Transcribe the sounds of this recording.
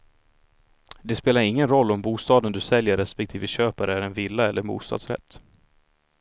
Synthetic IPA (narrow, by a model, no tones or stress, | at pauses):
d̪ɛspeːlaɾɪŋːənɾɔlːɔmbuːst̪ɑːd̪ənd̪ɵsɛljəɾɛspɛk̚t̪ʰiːvəɕøːpaɾəæɾɛnvɪlːaɛlːəɾbṵːst̪ɑ̰ːd̪sɾɛ̰t̪ː